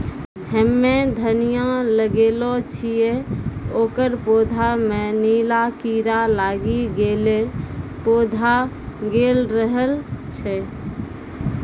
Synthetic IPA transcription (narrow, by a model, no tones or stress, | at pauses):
ɦəmːed̪ʱənijaləɡelot͡ʃʰijeoːkəɾpod̪ʱamenilakiɾalaːɡiɡelepod̪ʱa | ɡeːlɾəɦəlt͡ʃʰɛ